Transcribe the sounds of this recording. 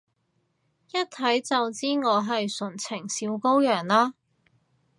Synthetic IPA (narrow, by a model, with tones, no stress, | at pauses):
jɐ˥t̚t̪ʰɐ˨˥jt͡sɐ˨wt͡siː˥ŋɔː˨˧ɦɐ˨jsɵ˨˩nt͡sʰɪ˨˩ŋsiː˨˧˥wko˥wjœː˨˩ŋlaː˥